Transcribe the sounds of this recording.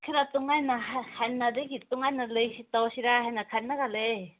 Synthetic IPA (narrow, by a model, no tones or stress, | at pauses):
kʰiɾatuŋajnaɦahajnːadɯɡituŋajnalɯjsitawsiɾaɦajnakʰanːaɡale